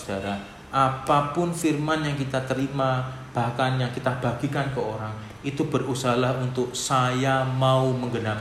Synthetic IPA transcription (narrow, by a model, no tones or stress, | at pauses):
d̥aɾa | ʔapapʊnfirmanjaŋkit̪at̪əɾimab̥ahkanjaŋkit̪ab̥aɡ̥ikankəoɾaŋ | ʔit̪ubərusahlahunt̪ʊk̚sajamauməŋɡənap